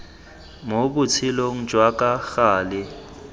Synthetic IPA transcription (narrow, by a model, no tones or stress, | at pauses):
mok̬ut͡sʰɪloŋ̩d͡ʒ̥ʱwak̬ʼaxaːlɪ